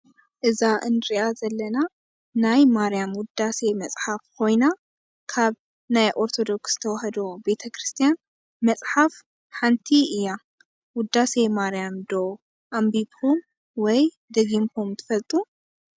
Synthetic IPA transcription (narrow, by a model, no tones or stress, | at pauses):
ʔɨzaʔɨnɾiʔazɐlːɐna | najmaɾijamwʊd̪ase̞mɐsʼħafkʰo̞jna | kʰaβ | najʔo̞ɾt̪ʰo̞d̪o̞ksz̥t̪ʰɐwɐhɐd̪obe̞t̪ʰɐkʰɾɨst̪ʰijan | mɐt͡sʼħaf | ħant̪ʰiɨjːa | wʊd̪ːasemaɾijamd̪o̞ | ʔambibom | wɔj | d̪ɐɡimpʰomt̪ʰɨ̥fɐlt̪ʼu